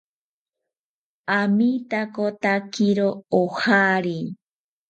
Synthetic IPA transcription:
amit̪akot̪akiɾoohaɾi

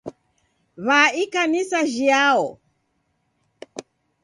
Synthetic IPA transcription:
βaikanisaʒiaɔ

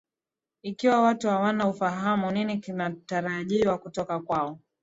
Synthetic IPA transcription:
ikiwawatuhawanaufaɦamuninikinataɾaʄiwakutɔkakwaɔ

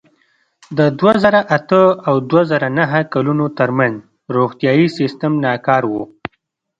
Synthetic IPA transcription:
d̪əd̪wazəɾaʔat̪əawd̪wazəɾanaɦakalunot̪əɾmanz | ɾoɣt̪jɑjisɪst̪əmnɑkɑɾwo

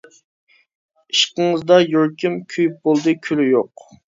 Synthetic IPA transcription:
iʃqəŋɨzd̪ɑjoɾkʲimkʲʰyjyp̚bolˠd̪ɨkʲʰylyjoq

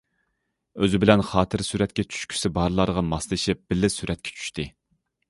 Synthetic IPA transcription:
øzɪbɪlɛnχɑːt̪ʰɨɾsyɾɛt̪̚kʲɛt͡ʃʰy̥ʃkʲʰy̥sɪbɑɾlˠɑɾəʁɑmɑslˠɨʃɪp̚b̥ɪlːɪsyɾʔɛt̪̚kʲʰɛ̥t͡ʃʰy̥ʃt̪ɪ

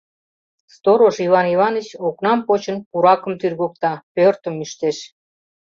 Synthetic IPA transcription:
st̪oɾoʃivɑnivɑnət͡ɕoknɑmpot͡ɕənpuɾɑkə̆mt̪yrɣok̚t̪ɑpørt̪ə̆myʃt̪eʃ

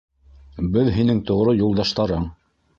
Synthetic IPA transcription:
bɘðɦinɘŋt̪ŏʁɾojulˠd̪ɑʃt̪ɑɾɤɴ

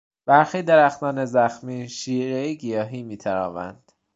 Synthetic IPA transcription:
b̥æɾxiːd̪eɾæxt̪ʰɒːnezæxmiːʃiːɾejeɡijɒːɦiːmiːt̪ʰæɾɒ̰ːvæ̰nd̪̥

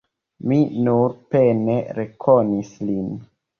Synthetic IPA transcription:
minuɾpeneɾekʰonislin

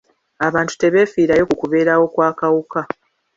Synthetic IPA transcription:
aβaːntu̥te̞βe̞ːfiːɾajo̞kukuβe̞ːɾawo̞kwaːkawuka

